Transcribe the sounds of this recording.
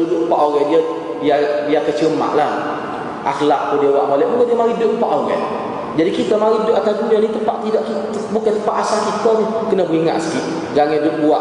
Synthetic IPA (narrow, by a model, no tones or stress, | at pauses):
udʊʔmpaʔoɣɛdia | diadiakət͡ʃəma̰ʔla | ʔa̰xlaʔpundiawaʔmolɛʔmukadiamaɾidəʔmpaʔoɣɛ̰ | d͡ʒadikit̪amaɾidəʔat̪adunanit̪əpaʔt̪idaʔki | bukant̪əpaʔasalkit̪anikənabəɾiŋa̰ʔsə̥kiʔ | ɡaŋɛdəʔbuaʔ